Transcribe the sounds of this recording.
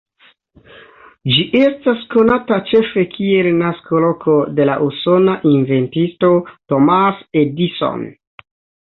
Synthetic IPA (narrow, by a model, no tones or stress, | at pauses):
d͡ʒiʔe̞stasko̞natat͡ʃe̞fe̞kʰie̞lnasko̞lo̞kʰo̞de̞la̰ʔuso̞naʔinve̞ntisto̞to̞masediso̰n